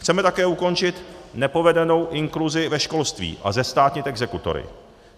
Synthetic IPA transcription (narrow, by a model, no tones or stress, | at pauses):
xt͡sɛmɛt̪akɛːuko̞nt͡ʃɪt̪nɛpo̞vɛdɛno̞wʔɪŋkluzɪvɛʃko̞lst̪vḭːʔa̰zɛst̪aːt̪ɲit̪ɛɡzɛkut̪o̰ɾɪ̰